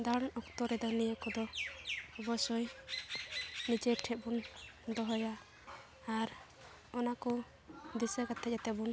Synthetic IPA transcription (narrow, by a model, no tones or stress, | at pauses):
d̪aɽɔkt̪ɔɾɛd̪ɔnijəkɔd̪ɔ | ɔbɔsɔj | nid͡ʒɛʈʰɛʔ̪̚bund̪ɔɦɔjaː | ɾ | ɔnakɔ | d̪isəkat̪ʰɛat̪ɛbun